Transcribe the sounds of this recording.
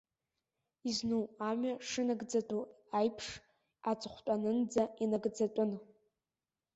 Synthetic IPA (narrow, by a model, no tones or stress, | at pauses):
iznuwamɥaʂɨnaɡd͡zatʼu | ajpʰʂ | at͡sʷʼχʷtʷʼanɨnd͡zainaɡd͡zatʼʊn